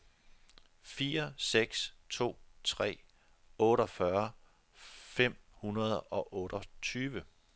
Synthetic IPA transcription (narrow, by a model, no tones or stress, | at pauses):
fiːɐseɡ̥st͡sʰo̝̰ːt͡sʰʁɛ̰ː | ɔ̽ːɾɒ̽fɶɐ | fem̰hunɐð̞ˠɒ̽ʔɔ̽ːɾ̥ɒt͡sʰyːʋə